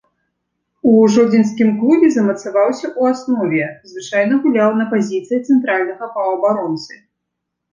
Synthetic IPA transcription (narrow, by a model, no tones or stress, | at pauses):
uʐɔd͡zʲins̬kʲimklˠubʲɛzɐmɐt̪savawsʲɐʔuasnɔvʲɛzvɨt͡ʂajnɐɣulʲawnɐpazʲit̪sɨjit̪sɛnt̪ɾalʲnɐɣɐpɐɐbaɾɔnt̪sɨ